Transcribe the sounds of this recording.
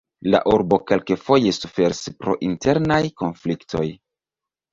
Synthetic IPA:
la̰ʔuɾbo̞ke̞lkefo̞je̞sufe̞ɾispɾo̞̰ʔinte̞ɾnajko̞nfliktʰo̞j

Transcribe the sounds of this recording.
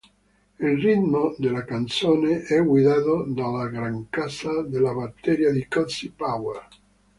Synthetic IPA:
ilrit̪mod̪elːakant̪soːneɛɡwid̪aːt̪od̪alaɡɾaŋkasad̪elːabat̪ːɛɾjad̪ikɔsipawɛr

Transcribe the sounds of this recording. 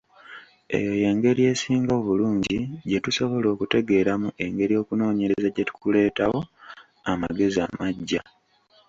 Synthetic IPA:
e̞̰jo̞je̞ːŋɡe̞ɾije̞ːsiːŋɡaoβuluːɲɟiɟe̞tuso̞βo̞lo̞ːkute̞ɡe̞ːɾamuʔe̞ŋɡe̞ɾijo̞ːkuno̞ːɲe̞ezaɟetu̥kule̞ːtawo̞ | ama̰ɡe̞zia̰maɟːa

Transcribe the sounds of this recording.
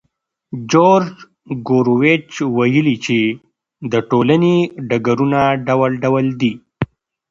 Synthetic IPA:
d͡ʒoɾd͡ʒ | ɡoɾowet͡ʃwajəlit͡ʃe | d̪əʈolaneɖaɡaɾunaɖawəlɖawəld̪i

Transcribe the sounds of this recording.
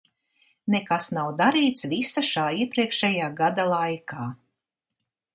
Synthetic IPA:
nɛkasnawd̪aɾiːt̪svisaʃaːiɛpɾiɛkʃɛjaːɡad̪alˠajkaː

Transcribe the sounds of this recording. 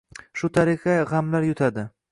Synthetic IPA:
ʃʊt̪ʰaɾɪqʰaʁamlaɾjʊt̪ʰad̪ɪ

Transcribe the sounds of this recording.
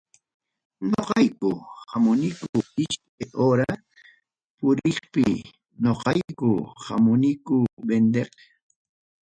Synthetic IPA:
ɲoqɑjkʊhamʊnɪkʊɪʃk̚ajʔoɾa | pʊɾɪχpɪ | noqɑjkʊha̰mʊnɪkʊbend̪eq

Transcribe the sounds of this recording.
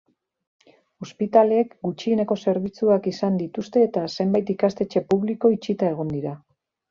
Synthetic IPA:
o̞spit̪ale̞ːkɡut͡ʃieneko̞se̞ɾβ̞it͡suakisand̪it̪ust̪e̞ːt̪ase̞mbajt̪ikast̪e̞t͡ʃe̞puβliko̞it͡ʃit̪ae̞ɣ̞o̞nd̪iɾa

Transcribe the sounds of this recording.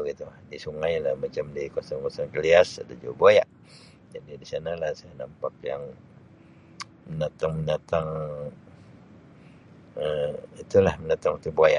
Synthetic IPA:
bəɡit̪udisuŋajlahmat͡ʃamdikosɔŋkɔsɔŋkəliasa̰dad͡ʒa̰wabuajaʔ | d͡ʒadidisanalahsajanampak̚ja̰ŋ | mənat̪aŋmənat̪aŋ | əit̪ulahməndat̪aŋut̪əbuaja̰ʔ

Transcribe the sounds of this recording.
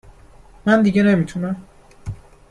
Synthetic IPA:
mænd̪iɟenemit̪ʰunæm

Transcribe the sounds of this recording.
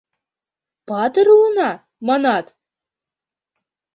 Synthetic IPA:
pɑt̪ɤ̆ɾulˠɤ̆nɑ | mɑnɑt̪

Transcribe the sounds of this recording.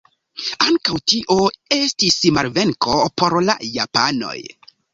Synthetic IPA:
aŋkawtiʔoe̞stismaɾve̞ŋkʰo̞po̞ɾla̰japano̞̰j

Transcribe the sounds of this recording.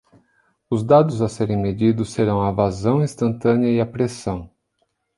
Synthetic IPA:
ʊzd̪ad̪ʊzɐseɾẽj̃med͡ʒid̪ʊsːeɾɐ̃w̃ɐvazɐ̃w̃ĩst̪ɐ̃nt̪ɐ̃nɪɐɪapɾesɐ̃w̃

